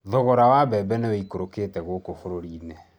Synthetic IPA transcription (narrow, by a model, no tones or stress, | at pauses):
ðɔɣɔɾawabɛbɛnewɛikoɾokeːtɛɣokofoɾoɾiːnɛ